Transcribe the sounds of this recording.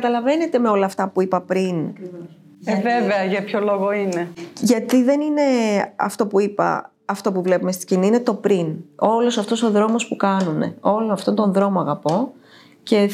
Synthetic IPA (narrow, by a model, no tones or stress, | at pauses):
kɐt̪ɐlɐve̞ne̞t̪e̞meo̞lɐːft̪ɐpuipɐpɾin | veveɐʝɐpçoloɣoineʝɐt̪iðe̞nine̞ɐ̰ft̪o̞puipɐ̰ | ɐft̪o̞puvle̞pumest̪i̥ɡɟiniine̞t̪o̞pɾino̞losɐft̪o̞so̞ðɾo̞mo̞spukɐnune̞̰o̞loɐft̪ont̪o̞nðɾo̞moɐɣɐpo̞ | ce̞